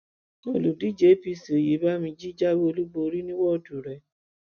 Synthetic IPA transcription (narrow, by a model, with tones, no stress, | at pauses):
ɔ˨lu˨di˨˦d͡ʒe˨˦pi˦˨si˨o˨je˨˦ba˦mĩ˧d͡ʒi˦d͡ʒa˦wo˧lu˦bo˧ɾi˦nĩ˦wɔ˦˨du˨ɾɛ˨